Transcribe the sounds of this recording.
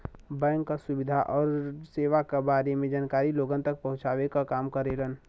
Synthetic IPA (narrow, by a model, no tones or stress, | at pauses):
bɛ̃ːŋkːasʊbɪd̪ʱaʔɔːɾseːʋakabaːɾemẽd͡ʒaːnkaːɾiloːɡənt̪ək̚pɐɦʊ̃t͡ʃaːʋekakaːmkəɾelən